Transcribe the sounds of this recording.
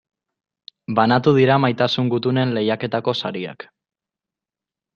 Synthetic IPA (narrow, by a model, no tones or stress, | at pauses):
banat̪uð̞iɾamajt̪asuŋɡut̪une̞nle̞jake̞t̪ako̞sa̰ɾia̰k